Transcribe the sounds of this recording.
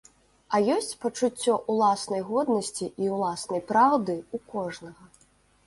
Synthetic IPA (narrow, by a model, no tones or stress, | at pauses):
ɐjɔsʲt͡sʲpɐt͡ʂut͡sʲːɔʔulˠasnɐjɣɔd̪nɐsʲt͡sʲiʔiwlˠasnɐjpɾawd̪ɨukɔʐnɐɣɐ